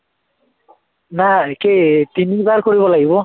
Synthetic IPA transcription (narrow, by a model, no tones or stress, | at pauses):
naketinibaɹkoɹibɔlaɡibɔ